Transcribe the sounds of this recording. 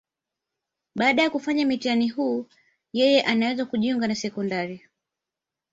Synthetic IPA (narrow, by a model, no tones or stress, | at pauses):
ɓaːɗajakufaɲamitianiɦuː | jɛjɛʔanawɛzakuʄiuŋɡanasɛkɔndaɾi